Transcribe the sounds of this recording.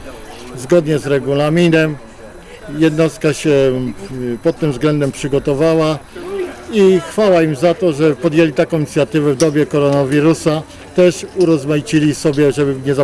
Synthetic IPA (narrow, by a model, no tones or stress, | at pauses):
zɡɔd̪ɲɛzɾɛɡulamʲinɛm | jɛd̪nɔst̪̚kaɕɛ | pɔt̪̚ːɘmvzɡlɛnd̪ɛmpʂɘɡɔt̪ɔvawa | ixfawaimzat̪ɔʐɛpɔd̪jelʲit̪akɔ̃w̃iɲit̪sʲjat̪ɘvɛvd̪ɔbʲjɛkɔɾɔnavʲiɾusa | t̪ɛʂuɾɔzmait͡ɕilʲisɔbʲjɛʐɛbɘɲɛza